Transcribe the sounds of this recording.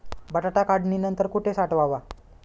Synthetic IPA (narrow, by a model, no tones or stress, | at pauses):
bəʈaʈakaɖninənt̪əɾkuʈʰesaʈʋaʋa